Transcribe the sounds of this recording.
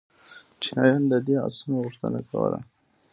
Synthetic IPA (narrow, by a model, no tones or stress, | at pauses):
t͡ʃinɑjɑnd̪əd̪ea̰smoɣuʂt̪ənakʰawə̰la̰